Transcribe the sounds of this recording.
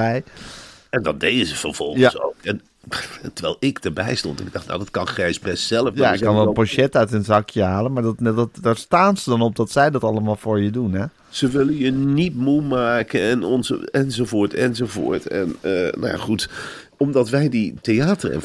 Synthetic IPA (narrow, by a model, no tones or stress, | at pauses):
ɛj | ɛndɑndejdəzəfərv̥ɔlˠxəso̰wkɛn | təʋɛːlˠɪkdəɹbɛ̰jstɔ̰ntɪɡ̚dɑχtna̰wdɔtkɑnxrɛjsbɛstsɛlˠəfjaɪkkːɑnʋɛlˠəpoʃɛtœɥtənzɑkʰjəhaːlˠənmaɹddtdaːɹstaːnzədɔnɔp̚dɔtsɛjdɔtɑləmaːlˠfoːɹjədunɛ | səʋɪlənjənitmumaːkəɛnɔnzɛnzovoːɹtɛnzovo̰ːɹtɛ̰nəna̰ja̰χut | ɔmdɑtʋɛjditeaːtərɛ̰̃n